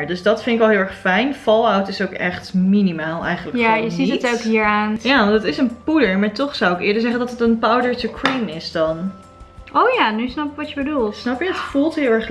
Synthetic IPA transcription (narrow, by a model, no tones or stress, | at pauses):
ɹdøsdɑtfɪndɪkʋɛlˠɦɪːlˠɛɹχfɛjnfɔlˠawtɪsowkɛχtminimaːlˠɛ̰jχənləkajəitətowkɦiːɹaːnjaːətɪsənpudəɹmaːɹtɔχsawɪkɪːɹdəɹzɛχəndɑtətənpawədəɹtukʰɹinɪsdɑn | ʔowjaːnysnɑpɪkʋɑtjəbədulˠtsnɑpɪktfulˠtɦɪlˠɛɹχ